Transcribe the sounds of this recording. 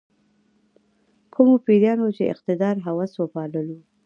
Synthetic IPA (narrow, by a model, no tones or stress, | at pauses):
kʰʊmopiɾjɑnot͡ʃeɪ̰qt̪ɪd̪ɑɾɦawaswopɑləlu